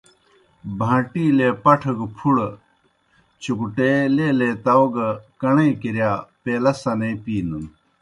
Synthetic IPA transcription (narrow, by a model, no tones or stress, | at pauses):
bʱãːʈiːleːpɐʈʰɐɡpʰuɽ | t͡ɕukuʈeleːleːt̪ɐoɡkɐɳẽːkiɾjaːpeːlɐsɐnepiːnum